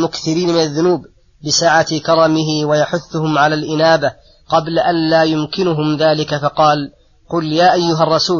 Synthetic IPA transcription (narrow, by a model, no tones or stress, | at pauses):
mʊkθɪɾiːnmɪnaðːʊnuːb | bɪsaːʕat̪kɑɾˤɑmɪɦɪwajaħʊθːʊhʊmʕalaːlʔɪnaːba | qɑblaʔanlaːjʊmkɪnʊɦʊmðaːlɪkafɑqɑːl | qʊljaːʔajːʊɦarˤːɑsuː